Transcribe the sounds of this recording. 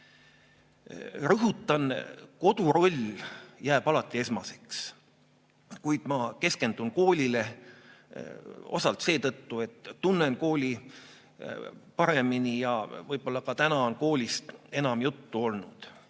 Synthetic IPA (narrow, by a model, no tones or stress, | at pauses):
rɤɦut̪ːˑɑnko̞d̪̥uɾo̞lʲjæːb̥ɑlɑt̪ːˑie̞smɑse̞ks | kujd̪̥mɑke̞ske̞nd̪̥unko̞ːlʲile̞ | o̞̰sɑlt̪se̞ːt̪ɤt̪ːue̞t̪ːunːe̞nko̞ːlʲi | pɑɾe̞minijɑvɤjb̥o̞lːɑkɑt̪ænɑonko̞ːlʲist̪e̞nɑmjut̪ːuo̞lnud̪̥